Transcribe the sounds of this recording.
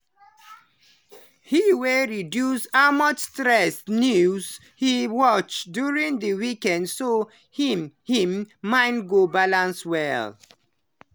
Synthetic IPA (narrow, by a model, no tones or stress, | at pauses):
hiweɹidjusamɔt͡ʃstɹɛsnjuz | hiwɔt͡ʃdjuɹĩŋdəwikɛ̃ndso | himhĩmːãɪ̃nɡobalãnswɛ̰l